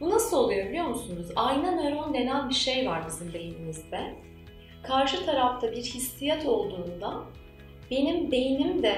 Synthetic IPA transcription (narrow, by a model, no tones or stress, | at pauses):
b̥unasɯlˠo̞lˠujo̞bʲilʲijo̞ɾmusunuzajnaneɾo̞nd̪e̞nænbiɾʃe̞jvaɾbizimd̪e̞jinimizd̪ɛ | kʰaɾʃɯt̪ʰaɾaft̪ʰabiɾhisːijat̪ʰo̞lˠd̪uːnd̪a | be̞nimd̪e̞jinimd̪ɛ